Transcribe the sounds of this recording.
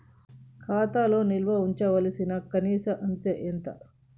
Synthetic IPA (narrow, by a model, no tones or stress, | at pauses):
kʰaːt̪aːlo̞ːnilʋɐuɲt͡ʃɐʋɐlɐsinɐkɐniːsɐʔɐnt̪eːʔent̪ɐ̰